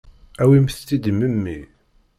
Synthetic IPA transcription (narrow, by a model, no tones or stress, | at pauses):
æwimθt͡sːid̪məmːi